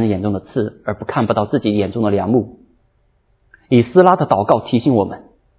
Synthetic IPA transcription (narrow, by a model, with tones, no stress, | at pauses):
njɛ˨˩nʈ͡ʂʊ˥˩ŋd̪ə˩t͡sʰɹ̩˥˩ə˞˧˥pu˧˥kʰa˥˩npu˨˩t̪ɑ˥˧ʊt͡sɹ̩˥˩t͡ɕi˧˥jɛ˨˩nʈ͡ʂʊ˥˩ŋd̪ə˨˩ljɑ˧˥ŋmu˥˩ | i˨˩sɹ̩˥la˥d̪ə˨t̪ɑ˨˩ʊkɑ˥˩ʊt̪ʰi˧˥ɕi˧˥ŋwɔ˨˩mʔə˦n